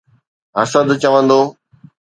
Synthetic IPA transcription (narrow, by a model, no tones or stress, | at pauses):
ɐsəd̪t͡ɕəʋə̃nd̪oː